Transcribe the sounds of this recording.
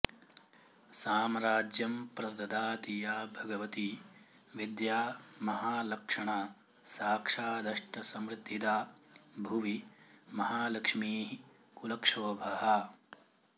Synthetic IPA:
saːmɾaːd͡ʒjɐmpɾɐd̪ɐd̪aːt̪ijaːbʱɐɡɐʋɐt̪i | ʋid̪jaːmɐɦaːlɐkʂɐɳaː | saːkʂaːd̪ɐʂʈɐsɐmɾɪd̪ʱːid̪aːbʱuʋimɐɦaːlɐkʂmiːɦi | kulɐkʂɐʋbʱɐɦɐ

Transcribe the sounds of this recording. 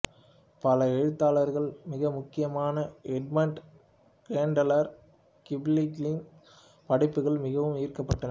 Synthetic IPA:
pɐlɐɛɻɯt̪ːaːlɐɾɣɐɭmɪɣɐmʊkːɪjɐmaːnɐʔɛɖ̚mɐɳʈ | keːɳɖɐlɐɾ | kɪbliklɪn | pɐɽɪpːɯɣɐɭmɪɣɐʋɯmiːrkɐpːɐʈːɐnɐɾ

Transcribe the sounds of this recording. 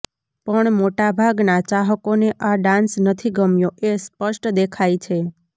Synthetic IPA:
pəɳmoʈabʱaɡnat͡ʃaɦəkoneʔaɖãnsnət̪ʰiɡəmjoʔespəʃʈd̪ekʰajt͡ʃʰe

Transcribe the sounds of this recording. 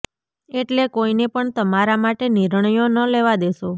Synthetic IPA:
eʈlekoinepəɳt̪əmaɾamaʈeniɾɳəjonəleʋad̪eʃo

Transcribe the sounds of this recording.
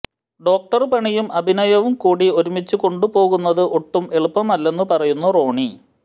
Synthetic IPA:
ɖo̞ːk̚ʈɐrpɐɳijumʔɐbʱinɐjɐʋumkuːɽio̞ɾumit͡ɕːuko̞ɳɖupo̞ːɣunːɐðɨʔo̞ʈːume̞ɭupːɐmɐlːe̞nːɨpɐrɐjunːuro̞ːɳi

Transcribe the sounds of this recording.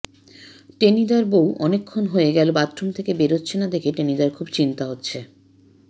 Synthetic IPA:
ʈenid̪aɾbowʔɔnekʰːonɦoeɡɛlobat̪ːɾomt̪ʰekebeɾotːɕʰenad̪ekʰeʈenid̪aɾkʰubt͡ɕint̪aɦotːɕʰe

